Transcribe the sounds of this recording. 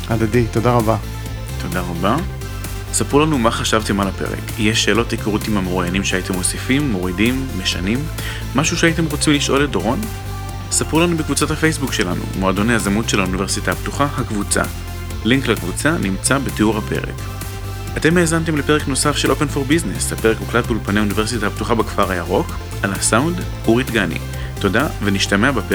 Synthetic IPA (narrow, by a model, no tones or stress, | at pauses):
ad̪adit̪odaʁaba | t̪ʰo̞daʁaba | sapʁulanumaχaʃavte̞malape̞̰ʁḛkjeʃe̞ːlo̞tikaʁotimhameʁujanimʃeaitemo̞sifimːo̞ʁidimːe̞ʃanimː | aʃuʃeait̬e̞mʁot͡simliʃʔo̞ledoʁo̞n | sapʁulanubekvut͡sathafejsbukʃe̞la̰nṵmoado̞neazamutʃelhaunive̞ʁsitahaptuχahakvut͡sa̰ | liŋklakvut͡sanimt͡sabeteuʁhape̞̰ʁḛk | ateme̞ːzant̬e̞mlepe̞ʁekno̞safʃelʔope̞nfo̞ʁbizneshape̞ʁekuklatulpaneaunive̞ʁsitahaptuχabekfaʁajaʁo̞k | ʔalasawnd | uʁitɡanḭ | to̞daveniʃtameabepe